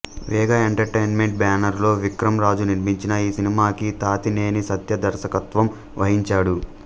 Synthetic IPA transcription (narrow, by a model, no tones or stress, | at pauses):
ʋɛːɡɐeɳʈɐɾʈejnme̞ɳʈ̚baːnɐɾlo̞ːʋikɾɐmɾaːd͡ʒuniɾmiɲt͡ʃinɐiːsinimaːkit̪aːt̪ineːnisɐt̪jɐd̪ɐɾʃɐkɐt̪ʋɐm | ʋɐɦiɲt͡ʃaːɽu